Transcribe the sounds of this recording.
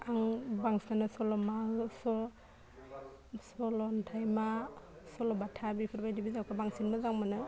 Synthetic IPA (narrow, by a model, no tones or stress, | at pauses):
aŋbaŋsanɯsɔlɔmasɔ | sɔlɔntʰajma | sɔlɔbatʰabipʰɯɾbajdibizakʰabaŋsinmazaŋmanɯ